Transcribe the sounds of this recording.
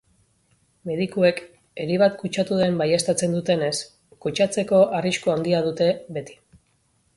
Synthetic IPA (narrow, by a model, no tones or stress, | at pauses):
me̞ðikue̞k | e̞ɾiβ̞at̪kut͡ʃat̪uðe̞mbaje̞st̪at͡se̞nd̪ut̪e̞ne̞s | kut͡ʃat͡se̞ko̞ʔariʃkuand̪iað̞ut̪e̞βe̞t̪i̥